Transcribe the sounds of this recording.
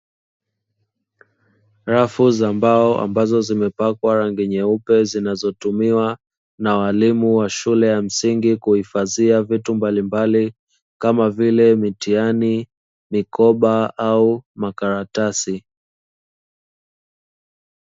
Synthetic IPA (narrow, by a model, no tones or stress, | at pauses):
ɾafuzambaɔʔa̰mbazɔzimɛpakwaɾaŋɡiɲɛupɛzinazɔtumiwa | nawalimuwaʃulɛjam̩siŋɡikuhifaziavitumbalimbali | kamavilɛmitiani | mikɔɓaaumakaɾatasi